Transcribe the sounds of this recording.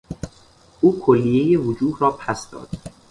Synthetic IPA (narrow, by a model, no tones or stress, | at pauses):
uːkʰolːijejevod͡ʒuːhɾɒːpʰæsd̪ɒ̰ːd̪̥